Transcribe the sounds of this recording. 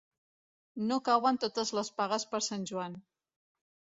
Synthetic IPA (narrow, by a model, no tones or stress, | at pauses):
nokawənt̪ot̪əzləspaɣəspəɾsanʲʒuan